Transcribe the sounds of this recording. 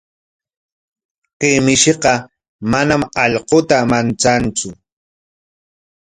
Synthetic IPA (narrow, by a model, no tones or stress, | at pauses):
qɪmɪʃeqɑ | manamɑʎqot̪amant͡sant͡sʊ